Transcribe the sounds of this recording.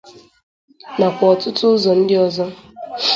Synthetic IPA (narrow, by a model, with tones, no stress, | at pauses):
na˨kʷɔ˨ɔ˨tʊ˦tʊ˦zɔ˨n̩˦dɪ˦ɔ˦zɔ˦